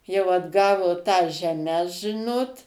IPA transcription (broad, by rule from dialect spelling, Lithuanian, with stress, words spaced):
jɛʊ ɐdˈɡɑːʋoː tɐs ʒʲɛˈmʲɛs ˈʒʲɪnoːt